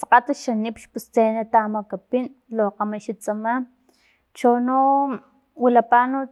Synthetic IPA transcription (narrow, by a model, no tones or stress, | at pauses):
saqat̪aʃanipʃpust͡senat̪amakapin | loqamaʃit͡sʼama | t͡ʃono | wilapano